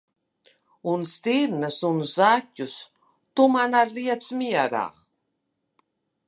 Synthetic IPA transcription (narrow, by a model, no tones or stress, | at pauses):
unst̪iɾnəsunzacʲːus | t̪umanaliasmiaɾa̰